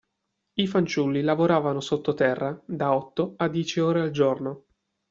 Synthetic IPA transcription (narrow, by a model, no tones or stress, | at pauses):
ifant͡ʃulːilavoɾaːvanosot̪ːot̪ɛrːad̪aɔt̪ːoad̪ːjɛːt͡ʃioːɾeald͡ʒorno